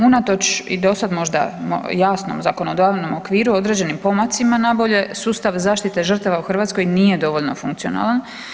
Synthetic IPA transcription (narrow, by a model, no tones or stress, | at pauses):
unat̪o̞t͡ʃḭd̪o̞sad̪mo̞ʒd̪a̰m̰jaːsno̞̰mzako̞no̞d̪aʋno̞mokʋiːɾuo̞d̪ɾe̞d͡ʑe̞nimpo̞mat̪simanabo̞ʎe̞suːst̪aʋzaːʃt̪it̪e̞ʒər̩t̪aʋauxr̩ʋaːt̪sko̞jniːje̞d̪o̞ʋo̞ʎno̞fṵŋkt̪siona̰ːlan